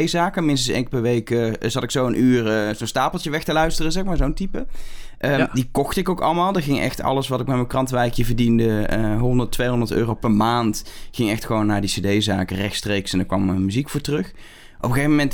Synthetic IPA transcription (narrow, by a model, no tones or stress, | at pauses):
jzaːkəmɪnstənsḛŋkpɛɹʋejkəzɑtɪksowənʔyːrəzonstaːplˠtəʋɛxtəlœɥstərəzɛxmaːɹzowntipə | ʔədikɔxtəɪkowkɑ̰lˠmaːlˠdəɣɪŋɛ̰xtɑ̰ləsʋɑtɪk̚maməkrɑntʋɛjkjəvəɹdindəəɦɔndəɹtʋejɦɔndəɹtø̰ːrowpɛɹmaːntχɪŋɛxtxəʋownːaːɹdisedejza̰ːkərɛxtstrejksɛndəɹkʋɑməmyzikfʊːɹtərɵx | ʔɔpəɣejvəmɛnt